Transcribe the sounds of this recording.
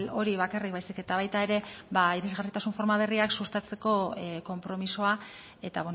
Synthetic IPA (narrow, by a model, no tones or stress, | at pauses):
lo̞ɾiβakarik̚βajsike̞t̪aβ̞ajt̪ae̞ɾe̞baiɾezɣarit̪asuɱfo̞ɾmaβ̞e̞riaksust̪at͡se̞ko̞ko̞mpɾo̞miso̞a | e̞t̪aβe